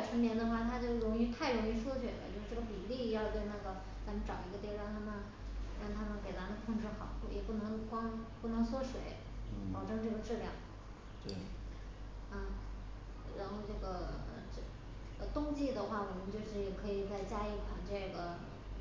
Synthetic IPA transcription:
ʈ͡ʂʰə˧˥ŋnjɛ˧˥nd̪ə˧xwa˥˩t̪ʰa˥t͡ɕjo˥˩ʊɻʊ˧˥ŋy˧˥t̪ʰa˥˩ɪɻʊ˧˥ŋi˧˥ʂwɔ˥t͡ɕʰɥɛ̰˨˩lə̰˧˦t͡ɕjʊ˥˧ʈ͡ʂɤ˥˩ɡə˩pi˨˩li˥˧˥jɑ˥˧ʊt̪we˥˧ɪna˥˩ɡə˩ | t͡sa˧˥mə˧˨nʈ͡ʂɑ˨˩ʊi˧˥ɡə˧t̪jɛ˥˧ɻɑ˥˩ŋt̪ʰa˥mə˨n | ɻɑ˥˩ŋt̪ʰa˥mə˨nke˨˩ɪt͡sa˧˥mə˥˧˩kʰʊ˥˧ŋʈ͡ʂɻ̩˥˩xɑ˨˩˦ʊku˥˩jɛ̰˨˩pu˥˩nɤ˧˥ŋkwɑ˥ŋpu˥˩nɤ˧˥ŋswɔ˥ʂwe˨˧˥ɪ | pɑ˨˩ʊʈ͡ʂɤ˥ŋʈ͡ʂɤ˥˩ɡə˩ʈ͡ʂɻ̩˥˧ljɑ˥˩˦ŋ˥ | ə˥˩ | ɻa˧˥nxo˥˧ʊʈ͡ʂɤ˥˩ɡə˩ə̰˧˩ʈ͡ʂ | ɡə˩t̪ʊ˥ŋt͡ɕi˥˩d̪ə˩xwa˥˩wɔ˨˩mə˧˦nt͡ɕjo˥˧ʊʂɻ̩˥˩jɛ˨˩kʰɤ˧˥i˨˩t͡sa˥˩ɪt͡ɕja˥i˥˩kʰwa˨˩˦ŋʈ͡ʂɤ˥˩ɡə˩

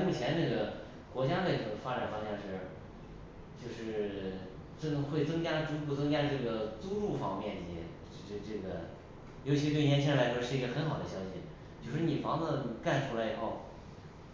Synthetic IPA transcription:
mu˥˩t͡ɕʰjɛ˧˥nnɤ˥˩ɡə˩ | kwɔ˧˥t͡ɕja˥la˥˩ʈ͡ʂɤ˥˨˩ɡə˩fa˥ʈ͡ʂa˨˩nfɑ˥ŋɕjɛ˥˧ŋʂɻ̩˥˩ | t͡ɕjo˥˧ʊʂɻ̩˥˩ | ʈ͡ʂɤ˥ŋxwe˥˩ɪt͡sɤ˥ŋt͡ɕja˥ʈ͡ʂu˧˥pu˥˩t͡sɤ˥ŋt͡ɕja˥ʈ͡ʂɤ˥˩ɡə˩t͡su˥ʈ͡ʂu˥˩fɑ̰˥ŋmjɛ˥˩nt͡ɕḭ˧˥˧ | ʈ͡ʂɤ˥˧ʈ͡ʂɤ˥˩ɡə˩ | jo˧˥t͡ɕʰi˧˥ɻ̩˥˧t̪wɪjɛ˧˥nt͡ɕʰi˥ə˧la˧˥ɪʂwɔ˥ʂɻ̩˥˩i˧˥ɡə˧xə˧˥nxɑ˨˩ʊd̪ə˦ɕjɑ˥ʊɕḭ˨˧ | t͡ɕjo˥˧ʊʂɻ̩˥˩ni˨˩fɑ˧˥ŋt͡sə˥˧ka˥˩nʈ͡ʂʰu˥la˧˥ɪi˨˩xo˥˩ʊ

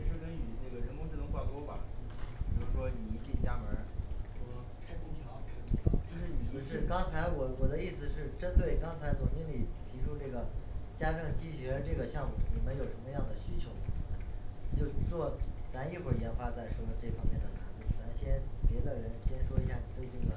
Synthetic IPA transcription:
ni˨˩ʂɻ̩˥˩kə˥nni˨˩ne˥˩ɡə˩ɻə˧˥nkʊ˥ŋʈ͡ʂʰi˥˧˩ʊ˥ŋxwa˥˩t̪wɔ˥bɐ̰˨˩jʂ̩˥˩ʂwɔ˥ni˨˩˧t͡ɕi˥˩t͡ɕja˥mə˧˥ɔ˥˧ | kʰa˥ɪt̪u˥˩ŋt̪ʰjɑ˧˥ʊkʰa˥tu˥˩jɑ˧˥˩ɻ̩˥˩˧ʂɻ̩˥˩kɑ˥ŋt͡sʰa˧˥ɪwɔ˨˩wɔ˨˩d̪ə˦i˥˩sɹ̩˩ʂɻ̩˥˩ʈ͡ʂə˥nt̪we˥˩ɪkɑ˥ŋt͡sʰa˧˥ɪt͡sʊ˨˩ŋt͡ɕi˧˥ŋli˨˩t̪ʰi˧˥ʈ͡ʂʰu˥ʈ͡ʂɤ˥˩ɡə˩t͡ɕja˥ʈ͡ʂɤ˥˧˩ŋt͡ɕi˥ɕɥɛ˧˥˧ʈ͡ʂɤ˥˩ɡə˩ɕjɑ˥˧ŋmṵ˨˩ni˨˩mə˥njo˨˩ʂə˧˥nmə˧jɑ˥˩ŋd̪ə˩ɕy˥t͡ɕʰjo˧˥ʊə˥˧˩t͡ɕʰi˨˩ə̰˧˦t͡ɕjo˥˧ʊt͡swɔ˥˩t͡sa˧˥ni˥˧xwə˥˩jɛ˧˥nfa˧˥t͡sa˥˩ɪʂwɔ˥˧ʈ͡ʂɤ˥˩fɑ˥ŋmjɛ˥˩nd̪ə˩t̪ʰa˧˥nt̪ṵ˥˩t͡sa˧˥nɕjɛ˥npjɛ˧˥d̪ə˧ɻə˧˥nɕjɛ˥nʂwɔ˥i˧˥ɕja˥˩ni˨˩t̪we˥˧ɪʈ͡ʂɤ˥˩ɡə˩

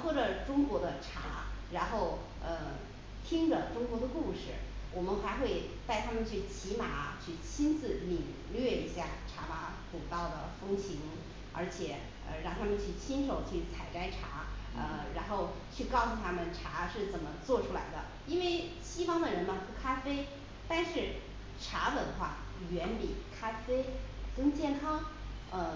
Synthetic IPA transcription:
wɔ˥˩ʈ͡ʂɤ˨˩ʈ͡ʂʊ˥ŋkwɔ˧˥d̪ə˧ʈ͡ʂʰa̰˧˥ɻa˧˥nxo˥˩ʊ | ə˧ | t̪ʰi˥ŋʈ͡ʂə˨ʈ͡ʂʊ˥ŋkwɔ˧˥d̪ə˧ku˥˩ʂɻ̩˥˩wɔ˨˩mə˦nxa˧˥ɪxwe˥˧ɪt̪a˥˩ɪt̪ʰa˥mə˨nt͡ɕʰy˥˩t͡ɕʰi˧˥ma˨˩˦t͡ɕʰy˥˩t͡ɕʰi˥nd͡zɹ̩˧˩li˨˩ŋ | lɥɛ˥˩i˧˥ɕja˥˩ʈ͡ʂʰa˧˥ma˧˥ | ku˨˩t̪ɑ˥˩ʊd̪ə˩fɤ˥ŋt͡ɕʰi˧˥ŋ | ə̰˞˧˥t͡ɕʰjɛ˨˩˦ | ə̰˧ɻɑ˥˩ŋt̪ʰa˥mə˨nt͡ɕʰy˥˩t͡ɕʰi˥nʂo˨˩ʊt͡ɕʰy˥˩t͡sʰa˨˩ɪʈ͡ʂa˥ɪʈ͡ʂʰa˧˥ə˧ɻa˧˥nxo˥˧ʊ | t͡ɕʰy˥˧kɑ˥˩ʊsu˨˩t̪ʰa˥mə˨nʈ͡ʂʰa˧˥ʂɻ̩˥˩t͡sə˨˩nmə˦t͡swɔ˥˩ʈ͡ʂʰu˥la̰˧˥ɪd̪ə̰˧ | i˥nwe˥˩ɪɕi˥fɑ˥ŋd̪ə˨ɻə˧˥nmə˧pu˥˩kʰa˥fe˥ɪ | t̪a˥˧nʂɻ̩˥˩ | ʈ͡ʂʰa˧˥t͡sə˧˩d̪ə˧˦xwa̰˥˩ | ɥɛ˧˥npi˨˩kʰa˥fe˥ɪkə˥ŋt͡ɕjɛ˥˩nkʰɑ˥ŋ | ə˥˧

